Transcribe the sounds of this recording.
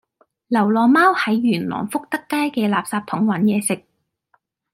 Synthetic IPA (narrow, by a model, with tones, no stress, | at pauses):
lɐ˨˩wlɔː˨˩maː˥whɐ˨˧jɥyː˨˩nlɔ̰ː˨˩ŋfʊ˥k̚t̪ɐ˥kːaː˥jkɛː˧laː˨p̚saː˧p̚t̪ʰʊ˨˥ŋwɐ˨˥njɛː˨˧sɪ˨k̚